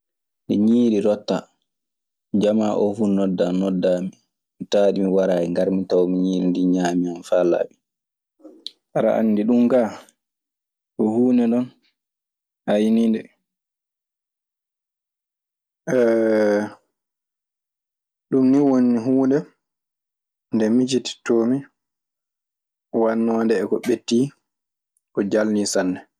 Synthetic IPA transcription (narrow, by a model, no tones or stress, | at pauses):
ndḭɲiːɾiɾɔtːa | d͡ʒamaʔɔfunɔdːanɔdːami | mitaːɗimiwaɾaːiŋɡaɾmitawmiɲiːɾindiɲaːmianfala̰ɓi | ʔaɾa̰ʔa̰nːdiɗumɡa | ʔɔhuːnɛɗɔn | hajnindɛ | ʔɛ | ɗumniwonːiɦuːndɛ | ndɛmid͡ʒiti̥toːmi | wanːɔːndɛːkɔɓetːi | kɔd͡ʒalnisanːɛ